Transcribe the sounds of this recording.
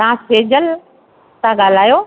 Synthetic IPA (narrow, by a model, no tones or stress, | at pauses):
ãseːd͡ʑəl | t̪ãɠaːl̤aːjoː